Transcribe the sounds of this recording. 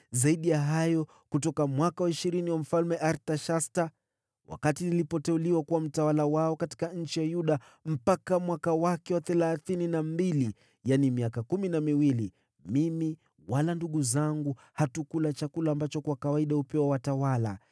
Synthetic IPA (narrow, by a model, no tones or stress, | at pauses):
zaiɗijaɦajɔ | kutɔkamwakawaiʃiɾiniwam̩falmɛʔaɾtaʃasta | wa̰katinilipɔtɛuliwakuwam̩tawalawaɔkati̥kaɲ̩t͡ʃijajuɗa | m̩pakamwakawakɛwaθɛlaθininambili | janimiakakuminamiwili | mimi | walanduɠuzaŋɡu | hatukulat͡ʃakulaːmbat͡ʃɔkwakawaiɗahupɛwawatawala̰